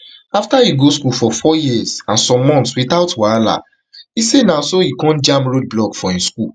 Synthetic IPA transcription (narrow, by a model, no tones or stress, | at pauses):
aftaiɡoskufɔfɔjizãnsɔ̃mːɔ̃ntswitaʊtwaala̰ | isenasoikɔ̃nd͡ʒãmpɹod̚blɔkfɔĩskul